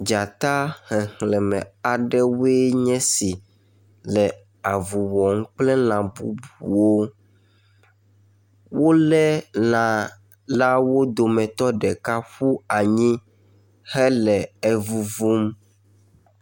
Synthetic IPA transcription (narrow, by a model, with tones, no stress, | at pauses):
d͡ʒa˨t̪a˦hɛ̃˨hlɛ˨mɛ̰̃˨a˨ɖɛ˦we˦ɲɛ̃˦si˨ | lɛ˨ | a˨vu˨wɔ˨ŋ̩˦k͡plɛ˦nã˨bu˦bu˨wo˦ | wo˦lɛ˦nã˨ | la˦wo˦d̪o˨mɛ̃˨t̪ɔ˦ɖɛ˨ka˦ɸu˦a˨ɲĩ˦ | hɛ˦lɛ˨ɛ˨vu˦vu˦m